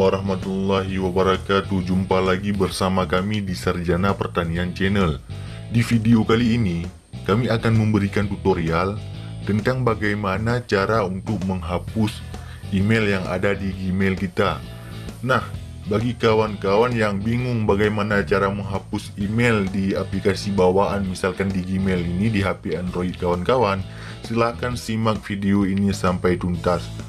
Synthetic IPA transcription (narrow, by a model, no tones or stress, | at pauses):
waɾaɦmat̪ulːaɦiwabəɾakat̪ud͡ʒumpalaɡibərsamakamidisərd͡ʒanapərt̪aniant͡ʃɛnəl | difideokaliːni | kamiakanməmbəɾikant̪ut̪oɾial | t̪ənt̪aŋbaɡajmanat͡ʃaɾaunt̪ʊk̚məŋɦapʊs | ʔimeljaŋa̰dadiɡimelkit̪a | nah | baɡikawankawanjaŋbiŋʊŋbaɡajmanat͡ʃaɾaməŋɦapʊsimɛldiaplikasibawaʔanmisalkandiɡimelinidiɦapeɛnroit̪̚kawankawan | səlahkansimak̚fideoinisampajt̪unt̪as